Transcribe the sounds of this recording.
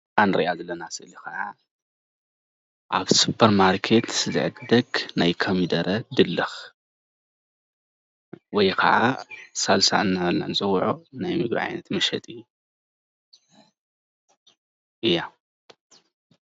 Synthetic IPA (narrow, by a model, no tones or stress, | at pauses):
anɾiʔazɐlɐnasɨʔɨlixɐʕa | ʔaβsupʰːɐɾmaɾkʰe̞t̪sɨzɨ̰ʕɨd̪d̪ɐɡnajkʰɐmid̪ɐɾɐd̪ɨlːɨx | wɔjkʰɐ̰ʕasalsa̰ʔɨnːalːa̰nzʼɐwʕonajmɨɡɾḭʕa̰jnɐt̪mɐʃɐ̰t̪ʼɨj | ʔɨjːa